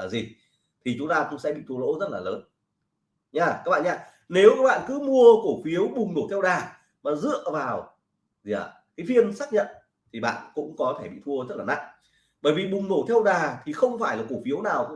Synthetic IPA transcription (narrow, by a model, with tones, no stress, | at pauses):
aː˨˩zi˨˩ | t̪ʰi˨˩t͡ɕʊ˨˦ŋ͡mt̪aː˧t̪ʊ˨˦sɛ̰˧˥ɓḭ˧˨t̪ʰu˧ə˧lo̰˧˥zə˦˥t̚laː˨˩ləː˨˦n | ɲaː˧˩kaː˦˥ɓa̰ː˧˨˩ɲaː˧˨ | ne˨˦wkaː˦˥k̚ɓa̰ː˧˨nkɨ˨˦mu˧əko˧˩fi˨˦əwɓʊ˨˩ŋ͡mno˧˩t̪ʰɛ˧wɗaː˨˩ | maː˨˩zɨ̰˧˨əvaː˨˩w | i˨ə˨˩ | kaː˨˦jfi˧ənsaː˦˥k̚ɲə̰˧˨n | t̪ʰi˨˩ɓa̰ː˧˨nkʊ̰˧˥ŋ͡mkɔ˨˦t̪ʰe˧˩ɓḭ˧˨t̪ʰu˧əzə˦˥t̚laː˨˩na̰˧˨ŋ | ɓəː˧˩jvi˨˩ɓʊ˨˩ŋ͡mno˧˩t̪ʰɛ˧wɗaː˨˩t̪ʰi˨˩xə˧wŋ͡mfaː˧˩jlaː˨˩ko˧˩fi˨˦əwnaː˨˩wk